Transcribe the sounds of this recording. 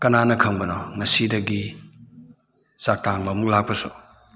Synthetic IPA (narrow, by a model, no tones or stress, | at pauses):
kɐnanɐkʰɐŋbɐnɔŋɐsidɐɡi | sak̚taŋbɐmuk̚lak̚pɐsṵ